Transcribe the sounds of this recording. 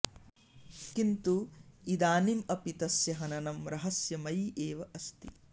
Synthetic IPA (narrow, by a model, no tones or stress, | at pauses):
kint̪uid̪aːnimɐpit̪ɐsjɐɦɐnɐnɐmɾɐɦɐsjɐmɐjʔeːʋɐʔɐst̪ḭ